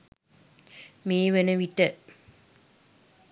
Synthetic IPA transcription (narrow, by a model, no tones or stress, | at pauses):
meːʋenəʋiʈːə